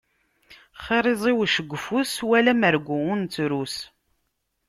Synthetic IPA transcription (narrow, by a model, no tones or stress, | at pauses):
χeɾˤɪzˤiwʃəɡʷːfuswælæməɾɡʷuʊnt͡sːɾus